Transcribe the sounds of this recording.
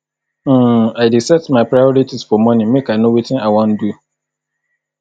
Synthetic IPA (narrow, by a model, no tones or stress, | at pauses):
aɪdisɛtmãpʰɾajɔɾitʰisfɔmɔ̃nĩmekaɪnõwitʰɪ̃naɪwɔ̃ndu